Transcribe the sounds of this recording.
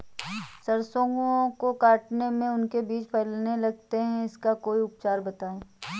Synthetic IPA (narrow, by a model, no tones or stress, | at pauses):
sɐɾsõːɡõkokaːʈnemẽʊnkebiːt͡ʃpʰɛlnelɐɡ̚t̪eɦɛ̃ɪskakoːiʊpt͡ʃaːɾbɐt̪aːeː